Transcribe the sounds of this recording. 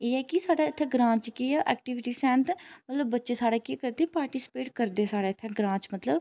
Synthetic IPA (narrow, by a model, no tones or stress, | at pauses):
eːɛːkɪsaːɽaːɪt̪ʰːɛ̃ːɡɾãːt͡ʃkiʔɛ̰ːk̚ʈiʋɪʈiːsɛ̃ːnt̪mət̪ləbːətːʃeːsaːɽeːkikəɾd̪eːpaːɾʈiːsɪ̥peːʈkəɾd̪eːsaːɽeːt̪ʰːɛ̃ːɡɾãːt͡ʃmət̪ləb